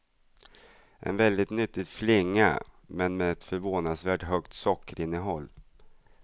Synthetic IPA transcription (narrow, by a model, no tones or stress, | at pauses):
ʔɛ̰nvɛld̪ɪt̪nʏt̪ːɪɡ̪flɪŋːa̰ | mɛnmɛɛt̪fœɾvoːnad̪svæːʈɦœkt̪sɔkːəɾɪnːəɦɔlː